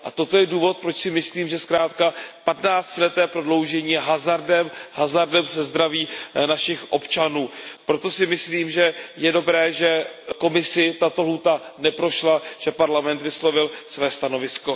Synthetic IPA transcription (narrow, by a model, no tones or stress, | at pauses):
ʔa̰t̪o̞t̪ojɛduːvo̞t̪̚pɾot͡ʃsɪmɪsliːmʒɛskɾaːt̪kapat̪naːt͡scɪlɛt̪ɛːpɾo̞dlo̞wʒɛɲiːɦazaɾdɛmɦazaɾdɛmsɛzd̪ɾaviːnaʃɪxʔo̞pt͡ʃanuːpɾo̞t̪o̞sɪmɪsliːmʒɛjɛdo̞bɾɛːʒɛko̞mɪsɪt̪at̪oɦuːt̪anɛpɾo̞ʃlaʒ̥ɛpaɾlamɛnt̪vɪslo̞vɪlsvɛːst̪ano̞vɪsko̞